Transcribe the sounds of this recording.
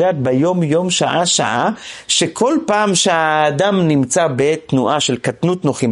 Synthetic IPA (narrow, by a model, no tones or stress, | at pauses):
aːt̪̚bejo̞mjo̞mʃaʔaʃa̰ʔaʃekʰo̞lpaːmʃeaːdamnimt͡sabet̪nuʔaʃelkatnut̪noχi